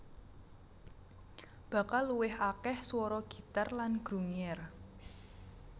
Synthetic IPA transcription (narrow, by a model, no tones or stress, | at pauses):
b̥ä̤kalːuwɪɦakɛhswɔɾɔɡ̥i̤t̪arlanɡ̥ɾuŋɛr